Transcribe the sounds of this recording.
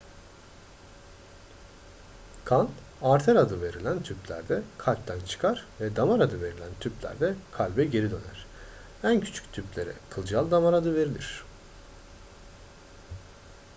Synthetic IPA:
kʰan | aɾt̪ʰɛɾad̪ɯve̞ɾilʲænt̪ʰyplʲæ̰ɾd̪ɛkʰalʲp̚t̪ʰænt͡ʃʰɯ̥kʰaɾ̥vɛd̪amaɾad̪ɯve̞ɾilʲænt̪ʰyplʲæ̰ɾd̪ɛkʰalʲbɛɟe̞ɾid̪ø̞næ̰ɾ̝̥ | æncʰy̥t͡ʃʰy̥ct̪ʰyplʲe̞ɾɛ̰kʰɯlˠd͡ʒalˠd̪amaɾad̪ɯve̞ɾilʲiɾ̥

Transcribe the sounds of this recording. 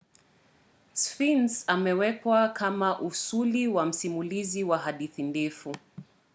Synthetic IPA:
sfinsamɛwɛkwakamaʔusuliwam̩simuliziwaɦaɗiθindɛfu

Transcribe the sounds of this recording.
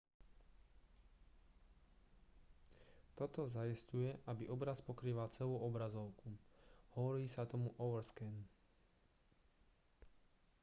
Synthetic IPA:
t̪ɔt̪ɔzajiscujɛʔabiʔɔbɾaspɔkɾiːʋalt͡sɛluːɔbɾazɔʊkuhɔʋɔɾiːsat̪ɔmuʔɔʋɾskɛn

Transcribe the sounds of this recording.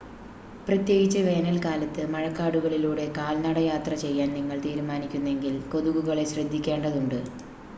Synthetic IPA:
prɐt̪je̞ːɣit͡ɕːɐʋe̞ːnɐlkaːlɐt̪ːɨmɐɻɐkːaːɽuɣɐɭiluːɽe̞kaːlnɐɽɐjaːt̪rɐt͡ɕe̞jːaːnniŋːɐɭt̪iːɾumaːnikʲːunːe̞ŋɡilko̞ðuɣuɣɐɭe̞ɕrɐd̪ʱːikʲːe̞ːɳɖɐðuɳɖɨ

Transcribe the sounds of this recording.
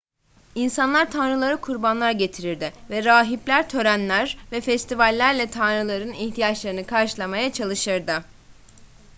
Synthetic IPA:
insanlˠaɾt̪ʰanɾɯlˠaɾɯkʰuɾbanlˠaɾɟe̞t̪ʰiɾiɾd̪ɪvɛɾaːɦiplʲæɾt̪ʰø̞ɾænlʲæɾvɛfɛst̪ʰivalʲːæɾlʲɛt̪ʰanɾɯlˠaɾɯniçt̪ʰijat͡ʃlˠaɾɯnɯkʰaɾʃɯlˠamajat͡ʃʰalˠɯʃɯɾd̪ɯ

